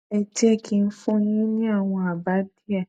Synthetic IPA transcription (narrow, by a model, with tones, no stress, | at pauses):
ɛ˨d͡ʒɛ˦kʰi˨n̩˦fʊ̃˦nĩ˦nĩ˦a˦˨w̃ɔ̃˨a˨ba˨˦di˦a˦˨